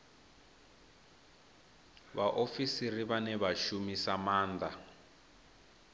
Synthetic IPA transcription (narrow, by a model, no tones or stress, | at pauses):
βaʔofisiriβanɛβaʃumisamaːnd̪a